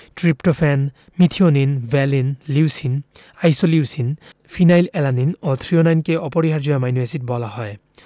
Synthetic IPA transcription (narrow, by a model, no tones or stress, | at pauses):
tɹiptɔpʰɛn | mitʰiɔninbɛlinliwsin | ajsɔliwsinpʰinajlɛlaninɔt̪ʰɹijɔnajnkeɔpɔɹiɦaɹzujamajnuesit̚bɔlaɦɔj